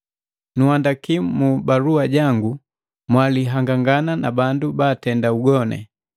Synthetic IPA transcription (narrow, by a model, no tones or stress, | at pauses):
nuhandakimmubaluaɟaŋɡu | mwaliɦaŋɡaŋɡananabandubaːtɛndauɡɔnɛ̰